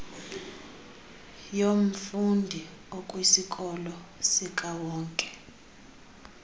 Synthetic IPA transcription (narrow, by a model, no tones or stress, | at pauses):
jom̩fundʱiɔkʼwisikʼɔlɔsikʼawɔːŋkʼɛ̥